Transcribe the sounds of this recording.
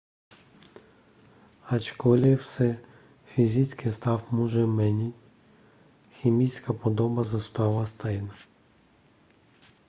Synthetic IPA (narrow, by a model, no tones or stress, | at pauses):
ɐt͡ʃkɔlʲɪwsɛ | fʲizʲit͡sʲkɪst̪ɑwmuʒɛmɛnʲitʲ | xʲimʲit͡sʲkɐpɔd̪ɔbɐzɐst̪ɑʋɐst̪ɑjnɐ